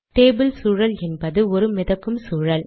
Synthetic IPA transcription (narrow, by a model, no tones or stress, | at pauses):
ʈeːbɪlsuːɻɐlɛnbɐðɯɔɾɯmɪðɐkːɯmsuːɻɐl